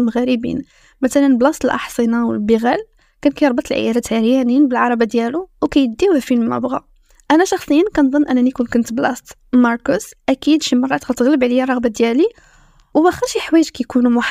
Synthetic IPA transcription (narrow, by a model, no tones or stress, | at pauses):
mɣæɾəbḭn | mæt̪ælənblɑst̪əlʔɑ̰ħsˤənɑwə̰lbiɣæl | kænkæjəɾˤbɑt̪ˤəlʕə̰jɑɾˤæt̪ʕəɾjæninbəlʕɑɾˤɑbid̪jæluwkæjəd̪ːiwæfilːæ̰bɣa̰ | ʔænæʃɑxsˤəjːənkænd̪ˤənːʔænːænikunkʊnt̪blɑst̪ | mɑɾˤkʊsʔækid̪ʃimɑrˤːɑt̪ɣæt̪əɣləbʕlijːærˤːɑɣbad̪jæli | wbæxəɾˤʃiħwæjəʒkæjkunumʊħ